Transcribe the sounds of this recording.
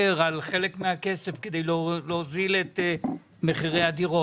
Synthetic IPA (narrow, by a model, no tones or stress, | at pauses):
eʁalχe̞lekmeake̞se̞fked̪e̞jllozilet̪e | meχiʁejad̪iʁo